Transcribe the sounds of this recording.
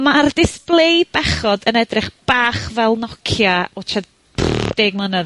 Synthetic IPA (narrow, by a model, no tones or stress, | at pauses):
mardɪsplˠejd̚bɛχɔdənɛdrɪχb̥aːχvɛlˠnɔkʰjaɔt͡ʃʰad | d̥eːɡ̚mənə